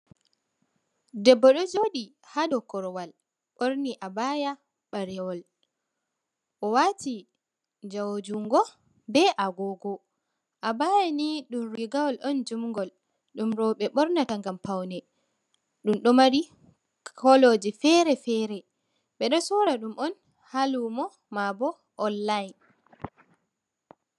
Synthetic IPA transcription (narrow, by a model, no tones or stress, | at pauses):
dɛbːɔɗɔd͡ʒoɗi | haɗɔkɔɾwal | ɓoɾniʔabaja | ɓaɾɛwɔl | ʔɔwati | d͡ʒawod͡ʒuŋɡɔ | bɛʔaɡɔɡɔ | ʔabajaniɗumɾiɡawɔlʔɔnd͡ʒumŋɡɔl | ɗumɾɔɓɛɓɔɾnataŋɡampawnɛ | ɗumɗɔmaɾi | kʰɔlod͡ʒifɛɾɛfɛɾɛ | ɓɛɗɔsɔɾaɗumʔɔn | halumɔ | mabɔ | ʔɔnːajn